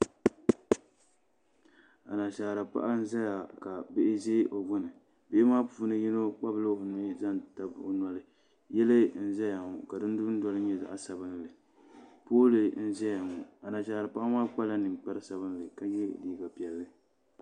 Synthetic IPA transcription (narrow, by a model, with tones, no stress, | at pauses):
a˨na˨ʃaː˨ɾa˨pa̰˦ʔa˦n̩˦za˦ja˨ka˨be˦ʔɪ˦zeː˦ʔo˨ɡʊ˦nɨ˨ | be˦maː˦pu˨u˦nɨ˦ji˦no˦k͡pa˦blɨ˦o˨ni˦za˦nta˨bo̰˨na˨lɨ˨ | jɛ˦lɨ˦n̩˦zɛ˦ja˨ŋu˨ka˨dɨ˦n˦du˦n̩˦dɔ˦lɨ˦ɲɛ˦za̰˨ʔa˦sa˨bɨ˦nlɨ˨ | poː˦lɨ˨n̩˦zɛ˦ja˨ŋu˨a˨na˨ʃaː˨ɾa˨pa˦ʔa˦maː˦k͡pa˦la˦nɨ˨k͡pɛ˦ɾɨ˦sa˨bɨ˦n˦lɨ˨ka˨jɛ˦˨liː˨ɡa˨pi˨ɛ˨lːɨ˦